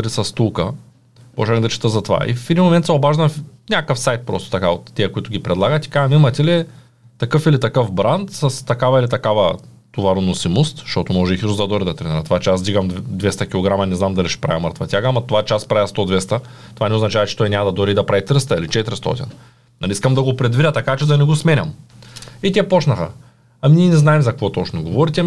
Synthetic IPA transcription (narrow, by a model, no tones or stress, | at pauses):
ɾisɐst̪ulˠkə | mɔ̰ʒɛd̪ɐt͡ʃɛ̥t̪əzɐt̪ova̰ʔḭfɛd̪inmomɛnt̪sɛobaʒnɐfnʲakəfsajt̪̚pɾɔ̰st̪o̥t̪ɐkaot̪ːiɐkoit̪ʊɡʲipɾɛd̪lˠaɡət̪ʲi̥kaʒɐmimɐt̪ʲɛlɛ | t̪ɐkɤfilit̪ɐkɤfbɾant̪sɐst̪ɐkavɐilit̪ɐkavɐ | t̪ovaɾonosimost̪ʃɔt̪omɔʒɛixisuzd̪ɐd̪ɔɾid̪ɐt̪ɾɛniɾɐt̪ovat͡ʃɛasd̪iɡɐmd̪vɛst̪ɐkʲilˠoɡɾamɐnɛznamd̪ɐlʲiʃɛ̥pɾa̰vɛməɾt̪vɐt̪ʲjaɡɐmɐt̪ovat͡ʃɛaspɾavʲjast̪od̪vɛst̪ɐ | t̪ovanɛoznt͡ʃavɐt͡ʃɛ̥t̪ɔjnʲamɐd̪ɐd̪oɾid̪ɐpɾavit̪ɾəst̪ɐilit͡ʃɛt̪ɾst̪ɔ̰t̪ḭn | nɐlʲiiskɐmd̪ɐɡopɾɛd̪vid̪ʲət̪ɐkat͡ʃɛd̪ɐnɛɡosmɛnʲɐm | it̪ʲɛpɔt͡ʃnɐxə̰ | ɐmniɛnɛznaɛmzɐkɐkvɔt̪ɔt͡ʃnoɡovɔɾit̪ɛ